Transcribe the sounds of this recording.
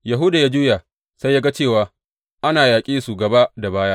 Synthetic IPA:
ja˨ɦʊ˦da˨ja˦d͡ʒu˦jaː˨ | sa˦jːaː˦ɡa˦t͡ʃeː˦˨waː˨ | ʔa˦naː˨jaː˨kʲʼiː˦su˨ɡɐ˨ba˦da˨baː˦ja˦ʔ

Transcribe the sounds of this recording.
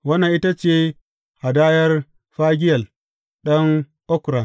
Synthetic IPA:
wɐ˦na˨ʔi˦ta˦t͡ʃeː˦ | ha˨daː˦jɐ˦r | ɸaː˦ɡʲɪ˦jɐ˨l | ɗɐ˦ŋ | ʔɔ˦kɾa˨n

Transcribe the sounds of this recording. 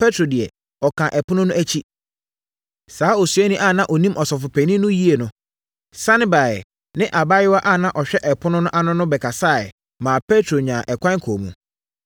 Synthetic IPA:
pɛ˦tʰɾo˨dɪ˨ɛ˨ | ɔ˨kʰã˨ʔɛ˨pʊ̃˦nʊ̃˦nʊ̃˦æ˦t͡ɕʰi˦ | saː˨˦o˨su˨˦ɛ˦nĩ˦ʔa˦˨nã˦ʔɔ˨nĩ˦mʔɔ˨sɔ˨fʊ˨pʰæ̃˨nĩ˦nʊ̃˦ji˦e˨nʊ̃˨ | sã˦nɪ̃˦ba˨ɛ˨ | nɪ̃˦ʔa˨ba˦ɪ˦wa˦ʔa˦˨nã˦ʔɔ˨ɕᶣɛ˦ʔɛ˨pʰʊ˦nʊ̃˦nʊ̃˦ʔa˦nʊ̃˦nʊ̃˦bɛ˨kʰa˨saː˦˨ | mãː˨pʰɛ˦tʰɾo˨ɲã˨ʔɛ˨kʷʰã˦ŋ˦kʰo˨mṵ̃˨

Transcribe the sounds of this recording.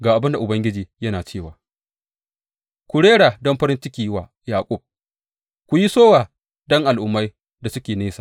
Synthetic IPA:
ɡaː˨ʔa˨bɪ˦nda˨ʔʊ˨bɐ˦ŋɡʲɪ˦d͡ʒiː˨jɐ˦naː˨t͡ʃeː˦˨waː˨ | kʷʊ˨ɽeː˦ɽaː˨dɔ˦mɸɐ˦ɾɪ˦nt͡ʃɪ˦kʲiː˨˦waː˨ | jaː˨kʷʼʊ˦˨b̚ | kʷu˨ji˦soː˦waː˨ | dɔ˦ŋʔa˨lʔʊ˨mːa˦j | da˨sʊ˦kʲeː˨neː˦saː˨

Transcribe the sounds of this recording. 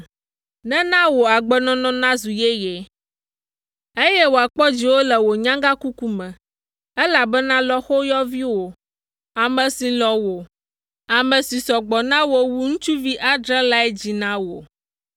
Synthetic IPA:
nɛ̃˦nã˦wo˨a˨ɡ͡bɛ˨nɔ̃˦nɔ̃˦nã˦zu˨je˦je˨ | e˦jɛ˦wo˨a˨k͡pɔ˦d͡ʑi˨wo˦lɛ˨wo˨ɲã˦ŋɡa˦ku˦ku˦mɛ̃˨ | ɛ˦la˨bɛ˦nã˦lɔ˦xo˦jɔ˦vi˦wo˨ | a˨mɛ̃˨si˨lɔ˨wo˨ | a˨mɛ̃˨si˨sɔ˨ɡ͡bɔ˨nã˦wo˦wu˦ŋũ˦t͡ʃu˦vi˦ʔa˦dɾɛ̃˦la˦ɛ˦d͡ʑi˨nã˦wo̰˨

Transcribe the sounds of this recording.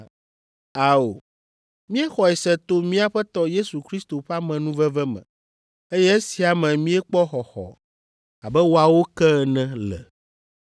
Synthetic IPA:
a˨o˨ | mĩ˦ɛ˦xɔ˨ɛ˨sɛ˨t̪o˦mĩ˦a˦ɸɛ˦t̪ɔ˦je˦su˨kɾi˦st̪o˨ɸa˦mɛ̃˨nũ˦vɛ˦vɛ˦mɛ̰̃˨ | e˦jɛ˦e˦si˨a˨mɛ̃˨mĩ˦ɛ˦k͡pɔ˦xɔ˨xɔ̰˨ | a˨bɛ˦wo˦a˨wo˦kɛ˦˨nɛ̃˦lɛ̰˨

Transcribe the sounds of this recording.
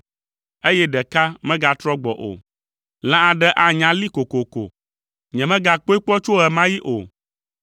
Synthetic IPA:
e˦jɛ˦ɖɛ˨ka˦mɛ̃˦ɡa˨t̪ɾɔ˦ɡ͡bɔ̰˨ʔo̰˨ | lã˦a˨ɖɛ˦ʔa˦˨ɲã˨li˦ko˨ko˨ko̰˨ | ɲɛ̃˨mɛ̃˦ɡa˨k͡po˦i˦k͡pɔ˦t͡ʃo˦ɦɛ˨mã˦ji˦ʔo̰˨

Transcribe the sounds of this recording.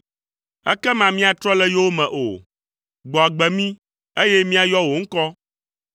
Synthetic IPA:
ɛ̰˦kɛ˦mã˨mĩ˦a˨t̪ɾɔ˦lɛ˦jo˦wo˦mɛ̃˨ʔo̰˨ | ɡ͡bɔ˨a˨ɡ͡bɛ˨mĩ˦ | e˦jɛ˦mĩ˦a˨jɔ˦wo˨ŋ̩˦kɔ˦

